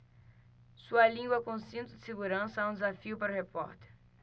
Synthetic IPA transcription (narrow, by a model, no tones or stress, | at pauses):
suɐlĩŋɡwɐkõsĩnt̪ʊd̪ɪseɡuɾɐ̃sɐɛũd̪ɪzafiʊpaɾʊhepɔ̰ɾt̪e̥ɾ